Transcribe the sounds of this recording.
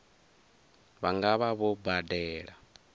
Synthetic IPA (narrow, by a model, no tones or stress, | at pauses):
βaŋɡaβaβɔbadɛːɺa